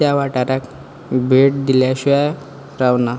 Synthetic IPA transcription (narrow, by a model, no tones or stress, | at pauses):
jaʋaʈaɾak | bʱeʈ̚d̪iljaɕua | ɾawna